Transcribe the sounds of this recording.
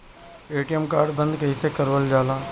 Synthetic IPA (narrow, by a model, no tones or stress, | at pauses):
eːʈijəmkaːɾɖbə̃nd̪kɐisekəɾʋəld͡ʒaːlãː